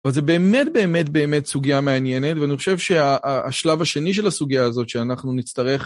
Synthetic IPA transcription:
valzebe̞ːme̞tbe̞ːme̞tbe̞ːme̞tsuɡijameanje̞ne̞tveaniχo̞ʃe̞vʃe̞aʔːʃlavaʃe̞niʃ̬e̞lasuɡiaːzo̞tʃeanaχnunit͡stɐʁe̞χ

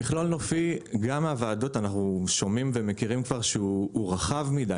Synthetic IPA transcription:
iχlolnofiɡamavaːdo̞tanaχnuʃo̞mimvemekiʁimkvaʁʃeːʁaχavmida

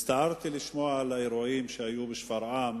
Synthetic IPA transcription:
st̪aʕɑɾˤt̪ilɪʃmoːʕʕalaʔɪɾoʔiːmʃajuːbɪʃfɑɾˤʕaːm

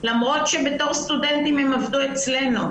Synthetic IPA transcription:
lamʁo̞t̪ʃebet̪oʁst̪udɛnt̪imhemavd̪uet͡slenu

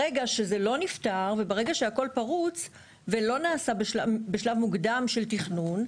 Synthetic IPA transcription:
eɡaʃe̞ze̞lo̞niftaʁvebaʁe̞ɡaʃeako̞lpaʁut͡s | velo̞naːsabeʃabeʃlavmuɡdamʃe̞ltiχnun

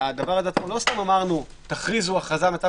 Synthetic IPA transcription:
ad̪avaʁazeat͡smolo̞st̪amamaʁnu | t̪aχʁizuaχazamet͡sa

